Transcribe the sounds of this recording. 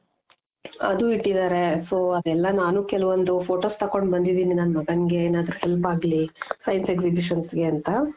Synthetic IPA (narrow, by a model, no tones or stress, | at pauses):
ɐ̰d̪uiʈːid̪aːɾe̞soːɐd̪ɛlːɐnaːnukɛlɐʋond̪upʰo̞ːʈoːst̪ɐko̞ɳɖbɐnd̪id̪iːninɐnmɐɡɐnɡe̞eːnaːd̪ɐɾuhelpaːɡlisɐjnseksibiʃɐnsɡe̞ɐnt̪ɐ